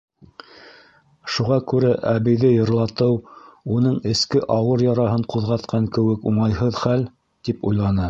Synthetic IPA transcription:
ʃuʁɑkʉɾæʔæβɘ̆jðɘjɤ̆ɾlˠɑt̪ɤwunɤɴɘ̆skɘʔɑwɤɾjɑɾɑɦɤɴquðʁɑt̪̚qʰɑŋkɘ̆wɘkuɴɑjɦɤðχæl | t̪ipujlˠɑnɤ

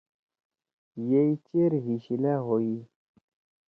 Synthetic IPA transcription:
jejt͡ʃeɾɦiʃilɛɦoji

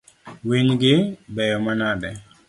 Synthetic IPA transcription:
wiɲɡɪbɛjɔmanadɛ

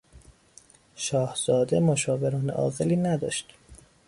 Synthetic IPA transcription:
ʃɒːhz̥ɒːd̪e̞moʃɒːve̞ɾɒːnḛʔɒ̰ːɣeliːnæd̪ɒ̰ːʃt̪

